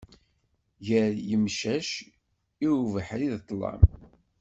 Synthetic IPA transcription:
ʝəɾjəmʃæʃ | iuvəħɾiðt̪ˤːlɑ̰m

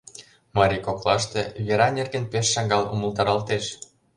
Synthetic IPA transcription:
mɑɾʲikoklɑʃt̪eβʲeɾɑnerɣenpeʃːɑŋɡɑlṵmə̆lˠt̪ɑɾɑlt̪eʃ

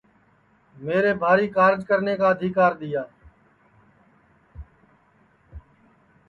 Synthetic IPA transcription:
meːɾeːbʱaːɾiːkaːɾd͡ʒkəɾneːkaːəd̪ʱiːkaːɾɗ̪ɪjaː

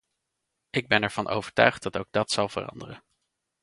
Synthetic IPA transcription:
ʔɪɡ̚bɛnɛɹv̥ɑnʔo̰wv̥əɹtœ̰ɥχdɑtowɡ̚dɑtsɑlˠv̥ə̰rɑ̰ndərən

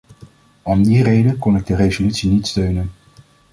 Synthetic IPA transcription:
ɔmdirejdənkɔnɪɡ̚dərejzolytsinitstøɥnən

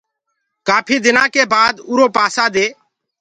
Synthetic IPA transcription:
kaːpʰiːd̪ɪnãːkeːbaːd̪ʊːɾoːpaːsaːd̪eː

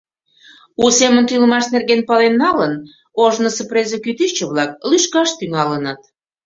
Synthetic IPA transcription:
usemənt̪ylə̆mɑʃnerɣenpɑlenːɑlən | oʒnəsəprezəkyt̪yt͡ɕəβlɑk̚lyʃkɑʃt̪yŋɑlənət̪

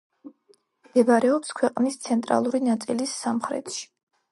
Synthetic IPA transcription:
md̪ɛbaɾɛɔpskʰwɛqʼnist̪sʰɛnt̪ʼɾa̰lˠuɾinat̪sʼilisːamχɾɛ̰t̪ʰʃi̥

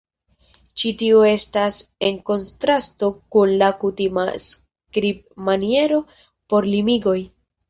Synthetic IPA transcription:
t͡ʃitioe̞stase̞ŋko̞ntɾasto̞kunlakutima̰s | kɾib̚manie̞ɾo̞ | po̞ɾlimiɡo̞j

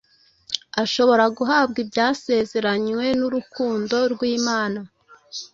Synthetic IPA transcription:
aʃo̞βo̞ɾaɡuɦaːbɡibjaːse̞ːze̞ɾaɲwe̞nuɾukuːndo̞ɾɡwiːmaːna

